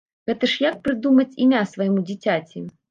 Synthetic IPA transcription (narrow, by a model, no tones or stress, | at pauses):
ɣɛt̪ɐʂjak̚pɾɨd̪umɐt͡sʲimʲasvɐjimud͡zʲit͡sʲat͡sʲi